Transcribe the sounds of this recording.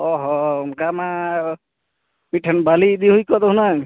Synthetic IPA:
ɔɦɔunkamã | miʈʰanbalid̪iɦujkɔd̪ɔɦunaj

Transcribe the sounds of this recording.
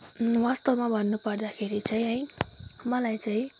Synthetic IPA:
wast̪ʌwmabʱʌnːupʌrd̪akʰeɾit͡saĩɦʌjmʌlajt͡saĩ

